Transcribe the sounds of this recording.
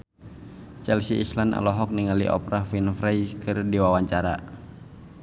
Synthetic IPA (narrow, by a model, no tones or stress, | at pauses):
t͡ʃɛlsiːslana̰lɔɦɔk̚niŋalḭʔɔ̰pɾafinfɾajkʰɨrdiwawaɲt͡ʃaɾa̰